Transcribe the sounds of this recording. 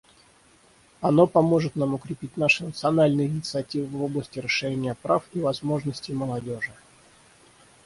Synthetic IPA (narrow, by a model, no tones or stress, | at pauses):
ɐno̞pɐmo̞ʐɨt̪namʊkɾʲɪpʲit̚ʲnaʂɨnət̪sɨɐnalʲnɨjəɪnʲɪt̪sɨɐtʲivɨvo̞blˠəsʲtʲɪɾəʂːɨɾʲenʲɪjəpɾafivɐzmo̞ʐnəsʲtʲɪməlˠɐdʲo̞ʐɨ